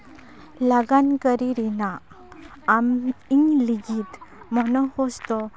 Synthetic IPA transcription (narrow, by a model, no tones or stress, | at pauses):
laɡankəɾiɾinaː | miŋliɡit̪mɔnɔhɔst̪ɔ